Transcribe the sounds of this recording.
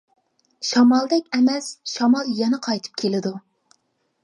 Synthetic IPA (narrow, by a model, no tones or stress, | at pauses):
ʃɑmɑlˠd̪ɛkʲɛmɛsʃɑmɑlˠjɛnɛqʰɑjt̪ʰɨ̥p̚kʲʰelɪd̪u